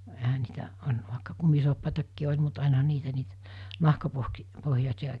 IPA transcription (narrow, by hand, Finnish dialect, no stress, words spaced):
ehæ niːtæ ɑˑenɑ ʋɑˑekːɑ kumisuɑpːɑˑetɑkːiː olʲ mut ɑˑenɑhɑ niːtæ nɑhkɑpohk pohjɑsʲiɑ